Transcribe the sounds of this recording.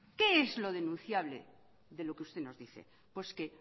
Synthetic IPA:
ke̞ezlo̞ð̞e̞nũn̟θjaβ̞lḛ | ðe̞lo̞keust̪e̞no̞zðiθḛ | pweske

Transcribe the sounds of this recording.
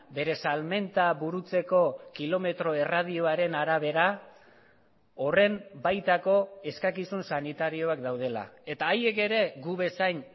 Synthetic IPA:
be̞ɾe̞salme̞nt̪aβuɾut͡se̞ko̞kilo̞me̞t̪ɾo̞e̞rað̞io̞aɾe̞naɾaβ̞e̞ɾa | o̞re̞mbajt̪ako̞e̞skakisunsanit̪aɾio̞akd̪awð̞e̞la̰e̞t̪aːje̞ke̞ɾe̞ɡuβe̞sajn

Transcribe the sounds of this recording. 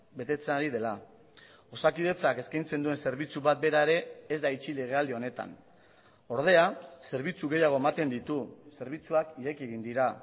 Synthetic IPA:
be̞t̪e̞t͡senaɾið̞e̞la | o̞sakiðe̞t͡sake̞skajnt͡se̞nd̪ue̞nse̞ɾβit͡suβat̪̚be̞ɾae̞ɾe̞ːzd̪ait͡ʃile̞ɣ̞e̞ald̪io̞ne̞t̪a̰n | o̞ɾð̞e̞ase̞ɾβit͡suɣ̞e̞jaɣ̞o̞e̞mat̪e̞nd̪it̪use̞ɾβ̞it͡suakiɾe̞kieɣ̞ind̪iɾa

